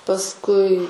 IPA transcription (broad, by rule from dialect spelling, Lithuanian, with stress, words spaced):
pɐsˈkʊɪ